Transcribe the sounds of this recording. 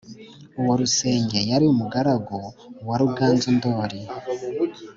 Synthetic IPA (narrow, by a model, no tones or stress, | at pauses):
uwoɾuse̞ːɲɟejaɾiumuɡaɾaɡowaɾuɡaːnzundoːɾi